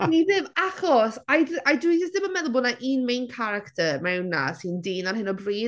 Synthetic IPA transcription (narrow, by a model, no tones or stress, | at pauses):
niðɪmaχɔsajdajduid͡ʒɪsd̥ɪbəmɛðʊlˠbʊnaʔiːnmejnkʰaɾaktʰəɾmɛwnːa̰sɪndiːnanhɪnɔbriː